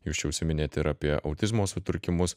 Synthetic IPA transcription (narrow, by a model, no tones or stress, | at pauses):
juːst͡ʃʲɛʊʃsʲɪmʲɪnʲeːt̪ʲɪɾɐːpʲiɛʔɐ̰ʊt̪ʲɪzmoːsʊt̪ʊɾʲkʲɪmʊs